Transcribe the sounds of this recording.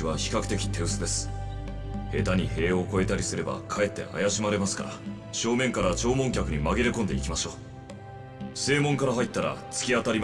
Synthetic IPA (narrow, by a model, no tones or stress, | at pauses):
iβaçi̥kakɯ̟t̪e̞kʲi̥t̪ʰe̞ɯ̟sɨd̪e̞sɨ̥ | he̞t̪aɲ̟ihe̞ːo̞ko̞e̞t̪aɾʲisɨɾe̞ba̰kʰae̞t̪ːe̞̰ʔa̰jaɕimaɾe̞masɨ̥ka̰ɾa | ɕo̞ːmẽ̞ŋkaɾat͡ɕo̞ːmõ̞ŋkʲakɯ̟ɲ̟imaɡeɾekõ̞nd̪e̞̰ikʲimaɕo̞ː | se̞ːmõ̞ŋkaɾaɦait̪ːaɾa̰t͡sɨ̥kʲiat̪aɾʲim